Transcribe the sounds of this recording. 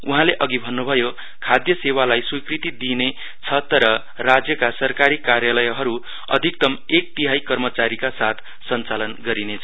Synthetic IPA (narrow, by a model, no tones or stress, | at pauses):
uɦãleʔʌɡibʱʌnːubʱʌjo | kʰad̪jʌsewalajswikrit̪id̪ine | t͡sʰʌt̪ʌɾʌ | rad͡zjʌkasʌrkaɾikarjalʌjɦʌɾu | ʌ̰d̪ʱik̚t̪ʌm | ek̚t̪iɦajkʌrmʌt͡saɾikasat̪ʰ | sʌnt͡salʌnɡʌɾinet͡sʰʌ